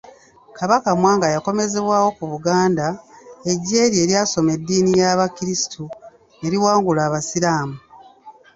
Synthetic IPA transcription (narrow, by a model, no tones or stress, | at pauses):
kaβakamwaːŋɡajako̞me̞ze̞βwaːwo̞kuβuɡaːndae̞ɟːe̞ːɾje̞ːɾjaːso̞me̞dːiːnijaβakiɾisi̥tʰu | e̞ɾiwaːŋɡulaːβasiɾaːmu